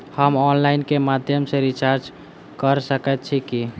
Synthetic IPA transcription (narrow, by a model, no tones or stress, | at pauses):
həmɔnlaɪnkemad̪ʱjəmseɾit͡ʃaɾd͡ʒ | kəɾsəkət̪̚t͡ʃʰiki